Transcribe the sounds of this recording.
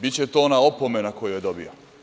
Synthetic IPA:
bitt͡ɕet̪oonaopomenakojojed̪obḭo

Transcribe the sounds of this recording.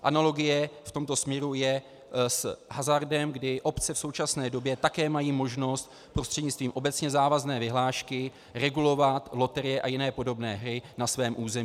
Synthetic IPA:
ʔanalo̞ɡɪjɛft̪o̞mt̪o̞smɲɛɾujɛ | sɦazaɾdɛmɡdɪʔo̞pt͡sɛfso̞wt͡ʃasnɛːdo̞bjɛt̪akɛːmajiːmo̞ʒno̞st̪ | pɾo̞st̪r̥ɛdɲɪt͡st̪viːmʔo̞bɛt͡sɲɛzaːvaznɛːvɪɦlaːʃkɪ | ɾɛɡulo̞vat̪lo̞t̪ɛɾɪjɛʔajɪnɛːpo̞do̞bnɛ̰ːɦɾɪnasvɛːmʔuːzɛmː

